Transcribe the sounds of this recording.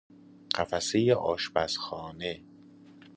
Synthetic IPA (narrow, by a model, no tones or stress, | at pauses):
ɢ̥æfæsejeʔɒːʃbæsxɒːne